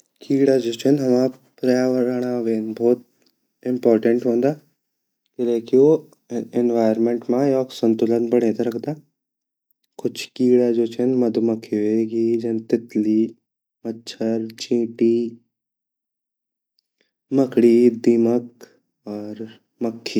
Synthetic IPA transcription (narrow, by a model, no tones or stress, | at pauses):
kiːɽad͡ʒoːt͡ʃʰənɦɐma | pɾɐjaːʋəɾaːɽ̃aʋeːnbʱɔːt̪̚ | ɪ̃mpɔːɾʈə̃ɳʈɦõːnd̪aː | kɪleːkio | ɪnʋaːəɾmẽɳʈmãjɔːksə̃nt̪ʊlənbɐɽ̤̃ẽːt̪aɾɐkʰd̪aː | kʊt͡ʃʰkiːɽad͡ʒoːt͡ʃʰənmɐd̪ʱmɐkʰːiʋeːɡid͡ʒɐnt̪ɪt̪li | mɐtːʃʰəɾt͡ʃĩːʈi | mɐkɽid̪imək̚ | ɔːɾ | məkʰːiː